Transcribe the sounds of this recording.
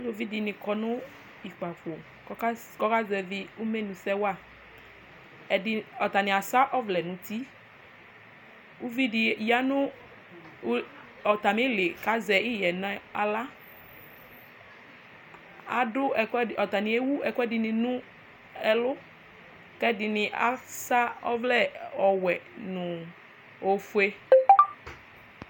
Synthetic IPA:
a˦lo˦˨˦vi˦di˨nɪ̃˨kɔ˧nʊ̃˦ | i˨k͡pa˨fo˨˦ | kɔ˦ka˦zɛ˧˨vɪ˧u˦me˦nũ˨sɛ˦wa˦˨ | ɛ˨dɔ˨t̪a˨nĩ˨a˨sa˦ʔɔ˦vlɛ˨nũ˨t̪i˦ | u˦vi˦di˨ja˦nʊ̃˦ | ɔ˨t̪a˨me˦le˨ka˨˦zɛ˨i˦jɛ˨na˨a˨la˦ | a̰˨dʊ˦˨kɔ˨t̪a˨nĩ˨e˦wu˦ɛ˨kɛ˦dɪ˨nɪ̃˨nʊ̃˦ | ɛ˨lʊ˦ | kɛ˦dɪ˨nɪ̃˨ʔa̰˨sa˦ɔ̰˦vlɛ˦ɔ˨wɛ˨nʊ̃˨ | o˨fu˦e˦

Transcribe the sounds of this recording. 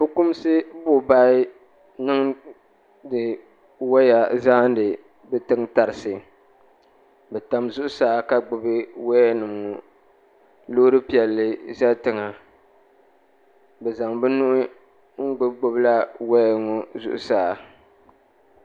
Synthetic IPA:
bʊ˦kʊ˦m˦sɨ˦bʊ˦˨ba˦ɪ˦ | nɨ˦ŋ | dɨ˨ | wa˦ja˨zaː˦n˦dɨ˨ | bɛ˦tɨ˦ŋta˨ɾɨ˨sɨ˨ | bɛ˨ta˨mzʊ˦ʔʊ˦saː˨ka˦ɡ͡bʊ˨bɨ˦wa˦nɨ˨mŋo˨ | lo˦ɾɨ˦pi˦ɛ˨lːɨ˦za˦tɨ˦ŋa˨ | bɛ˨za˨ŋbɛ˦nʊ˦ʔʊ˦ | ŋ̩˦ɡ͡bʊ˦ɡ͡bo˦bla˦wa˦jŋo˨zʊ̰˦˨ʔʊ̰˨saː˨

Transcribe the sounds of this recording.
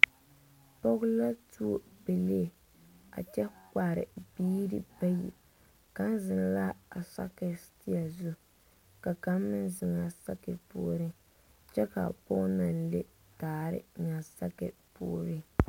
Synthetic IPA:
po˦ɡʊ˦la˦tu˦o˦be˨le˦e˨ | a̰˨t͡ʃɛ˦ka˨ɾɪ̰˨biː˦ɾɨ̰˦ba˦jḭ˨ | ka˦n˦zɪ˨n˦la˦a˨sa̰˦kɛ˨sti˦a˨zu˦ | ka˨ka˦mːɨ˦nzɪ˨ŋa˨sa˦kɛ˨pṵː˨ɾɨ˦ | t͡ʃɛ˦ka̰˨po˦na˨nlḛ˦ | taː˨˦˨ɾɪ̰˦ŋa˨sa˦kɛ˨pṵː˨ɾɨ˦

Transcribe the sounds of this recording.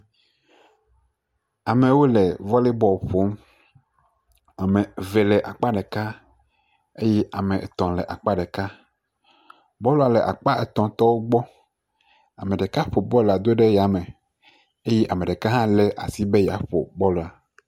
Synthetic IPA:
a˨mẽ˨wo˦lɛ˨vɔ˦le˦bɔ˦˨ɸo˨˦m | a˨me˨ve˨lɛ˨ʔa˨k͡pa˦ɖɛ˨ka˦ | e˦jɛ˦ʔa˨mẽ˨e˨t̪ɔ̃˨lɛ˨ʔa˨k͡pa˦ɖɛ˨ka˦ | bɔ˦lo˨a˨lɛ˨ʔa̰˨k͡pa˦e˨t̪ɔ̃˨t̪ɔ˦wo˦ɡ͡bɔ˦ | a˨mẽ˨ɖe˨ka˦ɸo˨bɔ˦lo˨a˨d̪o˦ɖe˦ja˨mẽ˨ | e˦jɛ˦ʔa˨me˨ɖɛ˨ka˦ɦã˦lɛ˦ʔa̰˨si˦be˦ja˨ɸo̰˨bɔ˦lo˨a˨

